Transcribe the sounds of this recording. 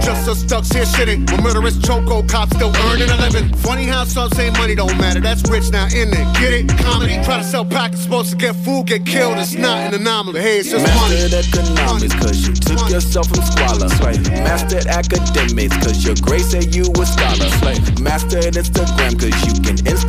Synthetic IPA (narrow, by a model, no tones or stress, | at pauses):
ʒ̥ʌstsʌstʌkshɪɹsɪɾɪ̃ŋməmɜ˞ɾə˞ɨst͡ʃʰoʊkoʊkʰɑpstɪlˠɜ̃˞nɨ̃ɨɪbɨ̃ntʰw̥ʌ̃ɾ̃ihæ̥sʌ̃sẽɪ̃mʌnidõʊ̃nmæɾə˞ðætsɹɪt͡ʃnaʊʔɪ̃nðɨɡ̥ɪɾɪkʰãɪ̃nɨɨtʰɹ̥aɪɾɨsɛlˠpʰæksə̥poʊz̥tʰəɡɛtfulˠɡɛt̚kʰɪlˠdɨtsnəɾɨ̃nðɨnɑml̩ˠiheɪ̥ʌmæsənɨkɨnɑmɨskʰʌzjɨtʰʊkjə˞sɛlˠfɨ̃nskwɑlˠə̰̃sɹaɪt̚mæstə˞ækɨdɛmɪkskʰʌzjə˞ɡɹeɪsɨjɨwə̥skɑlˠə̃sɹaɪt̚ | mæstə˞ɨ̃nɪ̃nstɨɡɹæ̃mkʰʌzjɨkɨ̰̃nɪ̃ns